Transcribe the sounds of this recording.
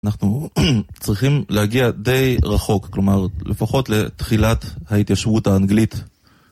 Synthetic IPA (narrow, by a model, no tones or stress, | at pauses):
anaχnut͡sʁiχimlehaɡiade̞jʁaχo̞kklo̞maʁlʔḛfaχo̞t̪le̞t̪χilathait̪jaʃvuthaːnɡlit̪